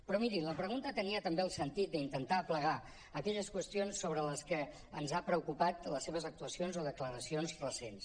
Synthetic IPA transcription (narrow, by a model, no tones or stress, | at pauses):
pɾɔmiɾiləpɾəɣunt̪ət̪əniət̪əmbeəlˠsənt̪it̪̚d̪əint̪ənt̪apləɣ̞a | əkɛʎəskwəst̪ionsːoβɾələskə | ənzapɾəukupat̪ləsːeβ̞əzək̚t̪uəsionzoðəkləɾəsionzrəsens